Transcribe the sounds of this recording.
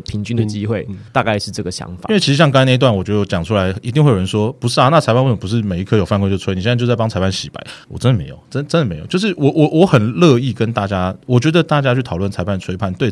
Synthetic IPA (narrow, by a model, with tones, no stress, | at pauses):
pʰi˧˥ŋt͡ɕy˥nd̪ə˨t͡ɕi˦xwe˥˩ɪt̪a˥˧ka˥˧ɪʂɻ̩˥˧ʈ͡ʂɤ˥˩ɡə˩ɕjɑ̰˧˦ŋfa̰˨i˦we˥˩t͡ɕʰi˧˥ʂ̩˧ɕjɑ˥˧ŋka˥na˥˧i˧t̪wa˥˩nwɔ˨˩t͡ɕɥdə˨˩t͡ɕjɑ˨˩ŋʈ͡ʂʰu˥la˧˦ɪi˧t̪i˥˧ŋxwjo˨˩ə˧˦nʂwɔ˥pu˧˥ʂɻ̩˥˩a˨˦na˥˩t͡sʰɪpʰnwə˨˩pu˧˥ʂɻ̩˥˩me˨˩ɪi˧˥kʰɤ˥jo˨˩ʊfa˥˧kɔ˧˥˧t͡ɕo˥˩t͡sʰwni˨ɕɛ˥˧˥jo˥˧˩a˥˩ɑ˥ŋt͡sʰa˧˥ɪpʰa˥˩nɕi˨˩pa̰˨˧˦ɪwɔ̰˨˩ʈ͡ʂə˥nd̪ə˨me˧˥ɪjo̰˨˩ʊʈ͡ʂə˥ə˩ʈ͡ʂə˥nd̪ə˨me˧˥ɪj̰t͡ɕo˥˧ʊʂɻ̩˥˩wɔ˨˦wɔ˨˦wɔ˧˦xə˨˩nlɤ˥˧i˥˩kə˦nt̪a˥˨˩t͡ɕja˥wɔ˨˩t͡ɕɥɛ˧˥d̪ə˨t̪a˥˩t͡ɕja˥t͡ɕʰy˥˩tʰɑ˨˩lwə˥˩nt͡sʰa˧˥ɪpʰa˥˩nt͡sʰwe˥ɪpʰa˥˩˨nt̪we˥˧ɪ